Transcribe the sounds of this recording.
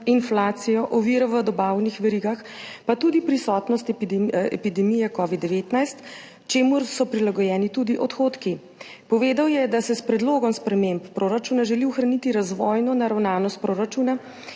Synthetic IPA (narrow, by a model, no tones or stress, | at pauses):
inflaːt̪sijɔʔɔʋiɾɔʋəd̪ɔbawnixʋɛɾiɡax | pat̪ud̪ipɾisɔt̪nɔst̪ɛ̰pid̪ɛmijɛkɔːʋid̪ːɛʋet̪najst̪ | t͡ʃeːmuɾsɔpɾilaɡɔjɛːnit̪ud̪iʔɔt̪xoːt̪ki | pɔʋeːd̪awjɛd̪asɛspɾɛd̪loːɡɔmspɾɛmemppɾoːɾat͡ʃuːnaʒɛliuxɾanit̪iɾazʋɔːjnɔnaɾawnaːnɔst̪̚pɾoːɾat͡ʃuna